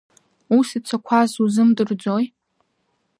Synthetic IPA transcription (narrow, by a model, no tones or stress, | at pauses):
usit͡ʃʷʰakʷʰazuzɨmdɨrd͡zoj